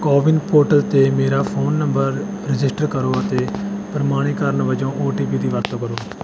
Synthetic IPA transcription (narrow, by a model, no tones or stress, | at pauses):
kɔːʋɪnpoːɾʈəlt̪eːmeːɾaːpʰoːnːəmbəɾ | ɾɪd͡ʒɪsʈəɾkəɾoːət̪eːpɾmaːɽ̃iːkəɾnʋəd͡ʒõːʔoːʈiːbiːd̪iːʋəɾt̪õːkəɾoː